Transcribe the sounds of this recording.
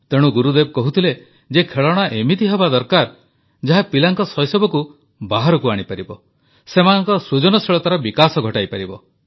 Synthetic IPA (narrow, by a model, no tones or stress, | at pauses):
t̪eɽ̃uɡuɾud̪eb̚kɔɦut̪ʰile | d͡ʒekʰeɭɔɽ̃aʔemit̪iɦebad̪ɔɾkaɾ | d͡ʒaɦapilaŋkɔsɔjsɔbɔku | baɦaɾɔkuaɽ̃ipaɾibɔ | semanɔŋkɔsɾud͡ʒɔnɔsiɭɔt̪aɾɔbikasɔɡʱɔʈajpaɾibɔ